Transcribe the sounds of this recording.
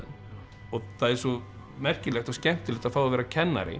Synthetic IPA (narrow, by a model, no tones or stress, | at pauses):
ɔθaðɛɾsɔ | mɛr̥cɪlɛxt̪ascɛm̥t̪ɪlɪːt̪aðfawavɛːɾacʰɛnːa̰ɾɪ̰